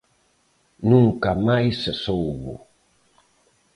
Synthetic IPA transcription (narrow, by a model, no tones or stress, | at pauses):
nuŋkamajssowβṵ